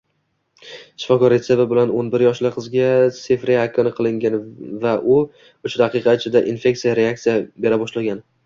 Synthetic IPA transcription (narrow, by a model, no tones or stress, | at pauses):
ʃɪ̥fɒkɒɾe̞t̪se̞vɪbɪlanonbɪɾjɒʃlɪqʰɨzɡʲasɪfɾeakʰɒnɪqʰɨlˠɪŋɡʲanvaʔʊ | ʊt͡ʃʰɪd̪aqɨqʰɑɪt͡ʃʰɪd̪aʔinfe̞k̚t̪sijaɾe̞ak̚t̪sijabe̞ɾabɒʃlaɡʲan